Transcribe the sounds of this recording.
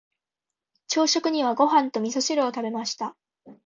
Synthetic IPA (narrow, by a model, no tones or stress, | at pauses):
t͡ɕo̞ːɕo̞kɯ̟ɲ̟iβaɡo̞ɦãnt̪o̞mʲiso̞ɕiɾoːt̪abe̞maɕi̥t̪a